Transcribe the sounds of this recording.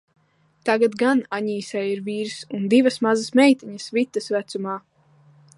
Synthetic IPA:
t̪aɡat̪ɡanaɲiːsɛjiɾviːɾsund̪ivɐsmazasmɛjt̪iɲəsvit̪ːəsvæt̪sumaː

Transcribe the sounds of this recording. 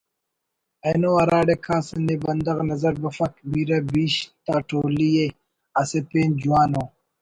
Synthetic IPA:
ɐjnoɐɾaːɖekʰaːsɐnebɐnd̪ɐɣnɐzɐɾbɐfɐkbiɾɐbiːɕt̪aːʈʰoːlije | asepeːnd͡ʑuwaːnoː

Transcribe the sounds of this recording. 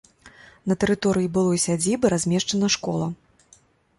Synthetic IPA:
nɐt̪ɛɾɨt̪ɔɾɨjibɨlˠɔsʲad͡zʲibɨɾazʲmʲɛʂt͡ʂɐnɐʂkɔlˠɐ

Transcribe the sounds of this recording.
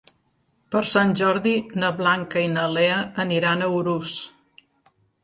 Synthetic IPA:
pəɾsanʲʒɔɾðinəβlaŋkəinəleəːniɾanəuɾus

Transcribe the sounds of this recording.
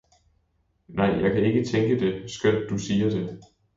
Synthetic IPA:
nʔɑ̈ɪ̰jɑ̈ɪkʰæe̝ɡ̥ət͡sʰeŋɡ̥əd̥e̝sɡ̥øn̰d̥ːusiːɐd̥e̝

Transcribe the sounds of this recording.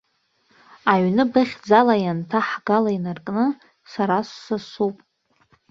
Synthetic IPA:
aɥnɨbɨχʲd͡zalajantʰaħɡalainarkʼnɨ | saɾasːasupʼ

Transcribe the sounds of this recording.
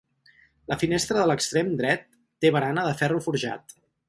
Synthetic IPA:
ləfinest̪ɾəðələkst̪ɾemd̪ɾɛt̪ː | eβəɾanəðəfɛrufuɾʒa̰t̪

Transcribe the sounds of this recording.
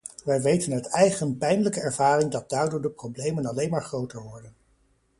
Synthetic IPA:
ʋɛjʋejtənɦœtɛjχənpɛjnələkəɛɹvaːrɪŋdɑd̚daːɹdʊɹdəprowblejmənɑlejnmaːɹχrowtəɹʋɔɹdən

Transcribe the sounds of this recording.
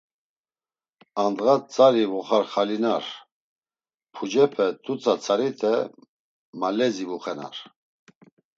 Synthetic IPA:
and̪ʁat͡sʼaɾivuχaɾχalinaɾ | pʰud͡ʒɛpʰɛt̪ʰut͡sʰat͡sʰʼaɾit̪ʰɛ | malɛzivuχɛna̰ɾ

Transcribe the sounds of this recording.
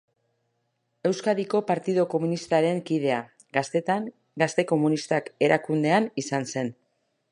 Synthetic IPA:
e̞wskaðiko̞paɾt̪iðoko̞munist̪aɾe̞ŋkiðe̞a | t̪aŋ | ɡast̪e̞ko̞munist̪ake̞ɾʔakund̪e̞anisanse̞n

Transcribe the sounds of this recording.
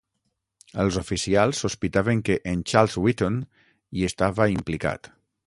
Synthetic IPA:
əlˠzofisialˠsːuspit̪aβeŋkeʔːnt͡ʃalˠzwit̪on | iest̪aβaimplika̰t̪

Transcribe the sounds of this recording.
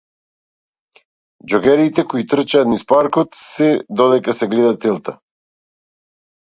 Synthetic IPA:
d͡ʒɔɡɛɾit̪ɛkoit̪r̩t͡ʃaːt̪nispaɾkɔt̪sɛd̪ɔd̪ɛkasɛɡlɛd̪at̪sɛlˠt̪a

